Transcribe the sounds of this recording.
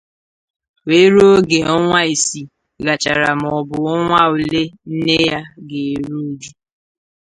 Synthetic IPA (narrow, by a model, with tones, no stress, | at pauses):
we˦ɾo˦ɡe˨ɔ˦ŋʷa˦e˨si˨ | ɡa˨t͡ʃa̰˨ɾa˨m˨ɔ˨bʊ˨ɔ˦ŋʷa˦u˨le˦n̩˦ne˦ja˦ɡe˨e˨ɾu˦d͡ʒu˦